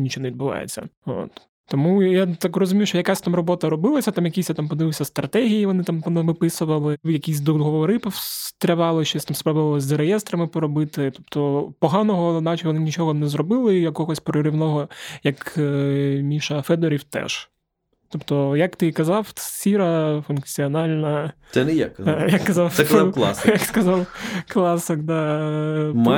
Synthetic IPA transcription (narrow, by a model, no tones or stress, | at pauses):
nʲit͡ʃonɛʋid̪bʊʋɑ̰jḛt͡sʲːɐ̰o̰t̪ː | ɔmujat̪akrɔzʊmʲijwʃt͡ʃɔjɐkasʲt̪ɑmrɔbɔt̪ɐɾɔbɪlˠɐsʲɐt̪ɑmjɐkʲisʲjat̪ampɔd̪ɪʋɪwʲsʲɐst̪ɾʔɐt̪ɛɦʲijiʋɔnɪt̪ampnɐʋɪpɪsʊʋɐlˠɪjɐkʲisʲd̪ɔɦɔʋɔʋɔɾɪpɔt̪ɾʲɐʋɑlˠɪʃt͡ʃeɛsʲt̪amspɾɔbʊʋɐlˠɪzʲzɐɾejɛst̪ɾɐmɪpɔɾɔbɪt̪ɪt̪ɔp̚t̪ɔpɔɦɑnɔɦɔnɑt͡ʃɪʋɔnɪnʲit͡ʃɔɦɔnɛzrɔbɪlˠɪjɐkɔɦɔsʲpɾɔɾʲiwnɔɦɔjɐk | mʲiʃɐfɛd̪ɔɾʲiwt̪ɛ̰ʒ̥ | t̪ɔpt̪ɔjɐkt̪ɪkɐzɑwsʲiɾɐfunkt͡sʲiɔnɑlʲnɐ | ɛnɛja̰kjɐkkːɐzɑw̪ɛklˠɑ̰sjɐkskɐzɑwklˠɑsɪkd̪ɑ